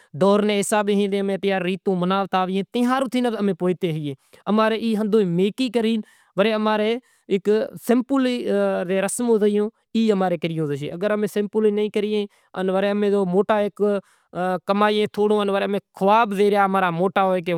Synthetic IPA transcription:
d̪ɔːɾnẽːɦɪsaːbeːɦĩːd̪ẽːəmẽːt̪jaːɾːiːt̪õːmənaːʋt̪aːʋɪẽːt̪ɪ̃ːɦaːɾoːt̪ʰiːnət̪əmẽːpoːt̪eːɦɪːeːəmaːɾeːiːɦənd̪õːmeːkiːkəɾiːn | ʋəɾeːəmaːɾeː | ɪksɪmpʊliːɾeːɾəsmõːzəɪjõː | iːəmaːɾeːkəɾɪjõːzəʃḛːəɡəɾəmẽːsɪmpʊliːnəĩːkəɾɪjẽː | ə̰nʋəɾeːəmẽːd͡ʒoːmoːʈaːek | kəmaːẽːt̪ʰoːɽõːənʋəɾeːmẽːkʰəʋaːbdeːɾjaːmaːɾaːmoːʈaːoːeːke

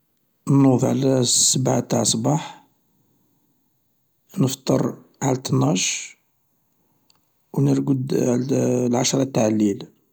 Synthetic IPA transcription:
nːufʕlæsːəbʕat̪aʕsˤbɑħ | nəft̪ˤːə̰ɾˤʕalt̪nɑʃ | wnəɾɡəd̪ | lʕaʃɾˤɑt̪ːaʕlil

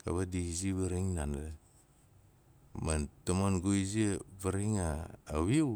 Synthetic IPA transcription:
ka̰βadiiziβaɾiŋnan | mantamanɡoiziβaɾiŋaːwiw

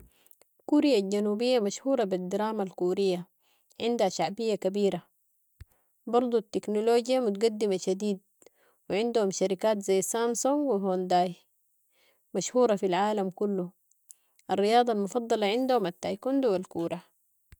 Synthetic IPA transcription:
kuɾijalɟanuːbijːamaʃhuːɾˤɑbid̪iɾaːmalkuːɾijːa | ʕɪnd̪haʃaʕbijːakabiːɾa | bɑɾˤd̪ˤut̪ːiknoloːɟjamut̪̬ɡad̪ːimaʃad̪iːd̪̚ | wiʕɪnd̪uhumʃaɾikaːt̪zajːsamsoŋwiɦond̪aːj | maʃhuːɾˤɑfilʕaːlamkulːu | ʔarːijɑːd̪ˤɑlmufɑd̪ˤːɑlɑʕɪnd̪uhumat̪ːajkund̪uwalkuːɾa

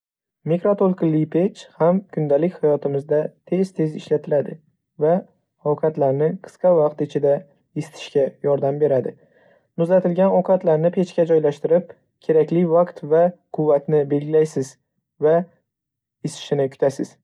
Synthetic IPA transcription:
mekɾot̪ʰolˠklːipʰe̞t͡ʃhamkʰʊnd̪alɪkʲhajɒt̪ʰɪmɪzd̪at̪ʰe̞z̥t̪ʰe̞zɪʃlat̪ʰɪlad̪ɪ | va | ɒwqʰɑt̪laɾnɪqʰɨ̥sqɑvɑqt̪ɪt͡ʃʰɪd̪a | ɪsɪ̥t̪ʰɪ̥ʃkʲajɒɾd̪ambe̞ɾad̪ɪ | nʊzat̪ʰɪlɡʲanɒwqʰɑt̪laɾnɪpʰe̞t͡ʃkʲad͡ʒɒjlaʃt̪ɪɾɪp̚ | kʲʰe̞ɾakʲlɪvaqt̪vaqʰʊvːat̪nɪbe̞lɡʲɪlajsɪz | va | ɪsɪ̥ʃɪnɪkʰʊ̥t̪ʰasɪz̥

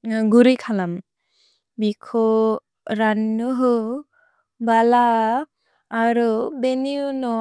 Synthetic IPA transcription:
ɡuɾikʰalam | bikʰɔ | ɾanːuɦɯ | bala | ɾubeniunɔ

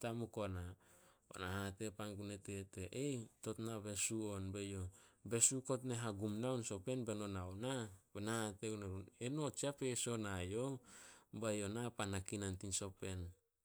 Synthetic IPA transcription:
tamukonao̰nahate̞panɡuneteteʔeto̞tnaβe̞suonbejobe̞suko̞t̬neɦaɡumnawnso̞pe̞nbeno̞nawnabenahateɡuneɾuneno̞t͡ʃiapeso̞najo | bajonapanakinantinso̞pe̞n

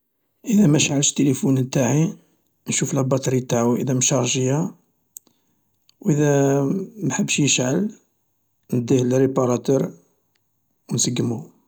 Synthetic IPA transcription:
ʔəd̪æmæʃʕəlʃt̪ːelifunt̪aʕi | nʃuflæbɑt̪ˤɾit̪aʕuʔə̰d̪æmʃɑɣʒəjːa | wʔəd̪æ | mħəbːəʃjəʃʕəl | nəd̪ihlɾipɑɾˤɑt̪uɾ | wnsəɡːəmu

